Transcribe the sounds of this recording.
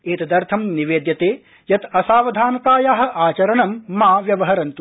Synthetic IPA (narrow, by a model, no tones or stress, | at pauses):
eːt̪ɐd̪ɐɾt̪ʰɐmniʋeːd̪jɐt̪eː | jɐt̪ɐsaːʋɐd̪ʱaːnɐt̪aːjaːɦɐ̆ʔaːt͡ʃɐɾɐɳɐmːaːʋjɐʋɐɦɐɾɐnt̪u